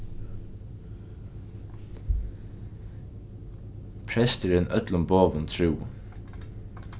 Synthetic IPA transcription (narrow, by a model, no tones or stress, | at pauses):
pʰɾɛst̪ɪɾɛnʔœt̪lʊmboːʋənt̪ʰɹʉː